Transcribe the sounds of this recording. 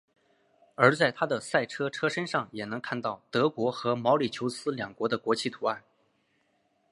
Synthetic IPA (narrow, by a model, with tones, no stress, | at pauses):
ə˞˧˥t͡sa˥˩ɪt̪ʰa˥d̪ə˨sa˥˩ɪʈ͡ʂʰɤ˥ʈ͡ʂʰɤ˥ʂə˥nʂɑ˥˩ŋjɛ˨˩nɤ˧˥ŋkʰa˥˧nt̪ɑ˥˩ʊt̪ɤ˧˥kwɔ˧˥xɤ˧˥mɑ˧˥ʊli˨˩t͡ɕʰjo˧˥ʊsɹ̩˥ljɑ˨˩ŋkwɔ˧˥d̪ə˧kwɔ˧˥t͡ɕʰi˥˩t̪ʰu˧˥a˥˩n